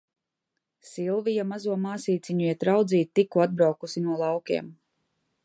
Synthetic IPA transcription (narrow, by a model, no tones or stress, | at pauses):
silˠvijamazuɔmaːsiːt̪siɲujɛt̪ɾawd̪ziːt̪̚t̪ːikːuad̪̚bɾawkusinuɔlˠɑwkʲɛ̰ɛm